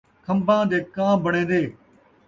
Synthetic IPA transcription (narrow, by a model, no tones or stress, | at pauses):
kʰə̃mbãːd̪eːkãːbəɳ̃ẽːnd̪eː